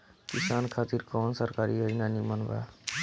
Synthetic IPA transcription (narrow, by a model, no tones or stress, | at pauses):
kɪsaːnkʰaːt̪iɾkɔːnsəɾkaːɾiːɦəinaːnimənba̰ː